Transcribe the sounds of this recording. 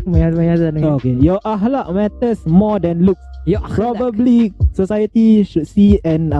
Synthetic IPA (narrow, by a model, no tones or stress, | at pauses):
maamãjasanəŋokejɔʔaɦlaʔ̚mɛt̪əsmɔdɛ̃nluk̚sjpɹɔbəblisosajət̪iʃud̚siɛ̃n